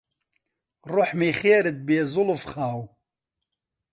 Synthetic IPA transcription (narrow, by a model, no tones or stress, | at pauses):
rʊħmiːχeːɾɨd̪̚beːzʊlfχaːw